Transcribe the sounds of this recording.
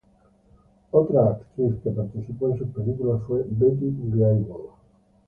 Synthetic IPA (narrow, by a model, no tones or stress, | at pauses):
ot̪ɾaːkt̪ɾiθkepaɾt̪iθipoẽnsupelikulafwebet̪ileajβol